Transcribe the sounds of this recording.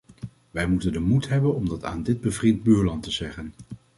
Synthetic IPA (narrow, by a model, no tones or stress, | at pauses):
ʋɛjmutəndəmutɦɛbənɔmdɑta̰ːndɪd̚bəvrɪnd̚byːɹlɑntəzɛχən